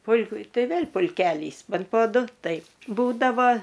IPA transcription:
ˈpʊlʲkʊ ˈtɐɪ ˈʋʲeːlˠ pʊlʲˈkʲæːlʲiːs ˈbʲɛnt poː ˈdʊ ˈtɐɪp ˈbuːdɐʋoː

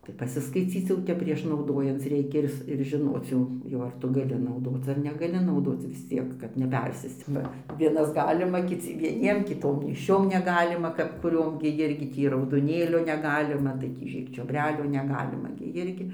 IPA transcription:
ˈtɐɪ pɐsʲɪskɐɪˈt͡sʲiːt͡s jɛʊ ˈtʲɛp pʲrʲiɛʃ nɐʊˈdoːjɛnt͡s ˈrʲɛɪkʲɛ ˈɪr s ɪr ʒʲɪˈnoːt͡s jɛʊ ˈjɛʊ ɐr ˈtʊ ɡɐˈlʲɪ nɐʊˈdoːt͡s ɐr nʲɛɡɐˈlʲɪ nɐʊˈdoːt͡s ʋʲɪs ˈt͡sʲiɛk kɐt nʲɛˈpʲɛrʲsʲeːst͡s ˈbɐ ˈʋʲiɛnɐs ˈɡɑːlʲɪmɐ kʲɪˈt͡sʲɪ ʋʲiɛˈnʲiɛm kʲɪˈtoːm nʲeːʃʲˈt͡ʃʲoːm nʲɛˈɡɑːlʲɪmɐ kɐp kʊˈrʲoːm ɡʲɪ ˈjɪrʲɡʲɪ ˈtʲiː rɐʊdoːˈnʲeːlʲoː nʲɛˈɡɑːlʲɪmɐ tɐɪ ˈtʲiː ɪr t͡ʃʲoːbʲˈrʲæːlʲuː nʲɛˈɡɑːlʲɪmɐ ɡʲɪ ˈjɪrʲɡʲɪ

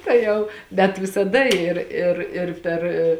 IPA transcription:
tɐɪ ˈjɛʊ bʲɛt ʋʲɪsɐˈdɐ ˈɪr ɪr ɪr pʲɛr

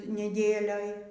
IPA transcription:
nʲɛˈdʲeːlʲoːj

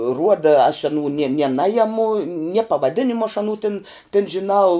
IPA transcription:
ˈruɔdɐ ɐʃ ɐˈnuː nʲiɛ nʲɛ ˈnɑːjɛmʊ nʲiɛ pɐʋɐˈdʲɪnʲɪmʊ ɐʃ ɐˈnuː tʲɪn tʲɪn ʒʲɪˈnɐʊ

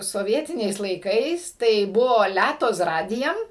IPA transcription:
soːˈʋʲiɛtʲɪnʲɛɪs lˠɐɪˈkɐɪs tɐɪ ˈbʊʋoː ˈlʲætoː s ˈrɑːdʲɪjɛm

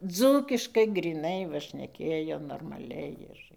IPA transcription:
ˈd͡zuːkʲɪʃkɐɪ ɡrʲiːˈnɐɪ tɨˈkrɐɪʋɐ ʃʲnʲɛˈkʲeːjoː noːrmɐˈlʲɛɪ ɪr

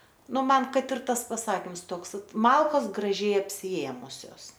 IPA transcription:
ˈnʊ ˈmɐn ˈkɐt ɪr ˈtɐs pɐˈsɑːkʲɪms ˈtoːks ˈʋɐt ˈmɐlˠkoːs ɡrɐˈʒʲɛɪ ɐpʲsʲɪˈeːmʊsʲoːs

